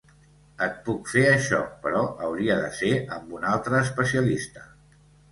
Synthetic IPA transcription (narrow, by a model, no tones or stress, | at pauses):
ət̪̚pukfeəʃɔ̰pəɾɔəwɾiəðəseəmbunalˠt̪ɾəːspəsiəlist̪ə̥